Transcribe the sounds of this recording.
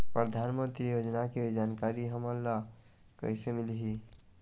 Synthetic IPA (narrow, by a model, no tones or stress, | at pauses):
pɾəd̪ʱanmənt̪ɾijod͡ʒnaked͡ʒankaɾiɦəməlːa | kə̰ɪsemilɦi